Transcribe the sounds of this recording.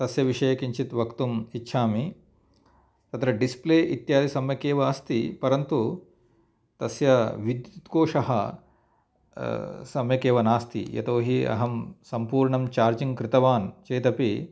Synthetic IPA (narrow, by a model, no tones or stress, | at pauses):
t̪ɐsjɐʋiʂɐjɐkiɲt͡ʃit̪ʋɐkt̪umitːʃʰaːmi | t̪ɐt̪ɾɐɖispleːʔit̪jaːd̪isɐmjɐkeːʋɐːst̪ipɐɾɐnt̪u | t̪ɐsjɐʋid̪jut̪koːʂɐɦɐ̰ | sɐmjɐkeːʋɐnaːst̪ʰḭjɐ̰t̪oːɦiɐ̰ɦɐmsɐmpuːɾɳɐmt͡ʃaːɾd͡ʒiŋkɾɪt̪ɐʋaːnt͡ʃeːt̪ɐpi